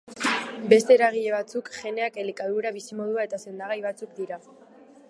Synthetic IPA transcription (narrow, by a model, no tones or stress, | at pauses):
be̞st̪e̞ɾaɣ̞iʎe̞β̞at͡sukʝe̞ne̞ake̞lekaðuɾaβisimo̞ðuae̞t̪ase̞nd̪aɣajβat͡sukd̪iɾa